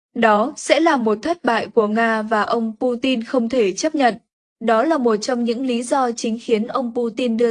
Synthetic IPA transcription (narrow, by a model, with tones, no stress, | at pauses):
ɗɔ˨˦sɛ̰˧˥laː˨˩mo˨˩t̚t̪ʰə˦˥t̚ɓa̰ː˧˨jku˧˩əŋaː˧vaː˨˩ʔə˧wŋ͡mpu˧t̪i˧nxə˧wŋ͡mt̪ʰe˧˩t͡ɕə˦˥p̚ɲə̰˧˨n | ɗɔ˨˦laː˨˩mo˨˩t̚t͡ɕɔ˧wŋ͡mɲɨ̰˧˥ŋli˨˦zɔ˧t͡ɕï˨˦ŋ̟xi˨˦ənʔə˧wŋ͡mpu˧t̪i˧nɗɨ˧ə